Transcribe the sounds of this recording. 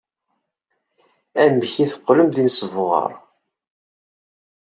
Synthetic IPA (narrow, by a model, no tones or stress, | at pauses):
æmçiθə̥qːləmðinsəvʁə̰ɾˤ